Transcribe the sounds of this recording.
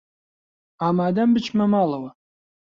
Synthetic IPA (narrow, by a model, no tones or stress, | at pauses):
aːmaːd̪ɐmbɨt͡ʃʰmɐmaːlɐwɐ